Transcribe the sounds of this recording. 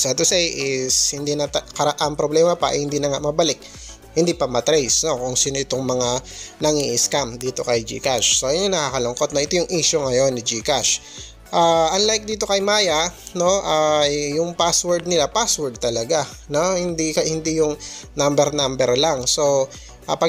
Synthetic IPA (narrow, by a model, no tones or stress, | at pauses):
sat̪ʊsɛjʔɪshɪnd̪inɐt̪ɐkɐɾɐʔampɾoblɛːmɐpɐʔɐ̰jhɪnd̪iːnɐŋaʔmɐbɐlɪk̚ | hɪnd̪ipɐmɐt̪ɾɛjsno̞kʊŋsiːnoʔɪt̪oŋmɐŋanɐŋiːʔɪskamd̪iːt̪o̞kɐjd͡ʒḭkaʃsojnɲoŋnɐkaːkɐlʊŋko̞t̪̚nɐʔɪt̪ojʊŋʔiːʃʊŋɐjo̞nːɪd͡ʒikaʃ | ʔaːʔɐnlajk̚d̪iːt̪o̞kɐjmaːjɐno̞ʔajːʊŋpaswɛɹd̪̚nɪlapaswɛɹd̪̚t̪ɐlɐɡa | nohɪnd̪ikɐhɪnd̪ijʊŋnambɛɾnambɛɾlaŋso̞ | ʔɐpɐ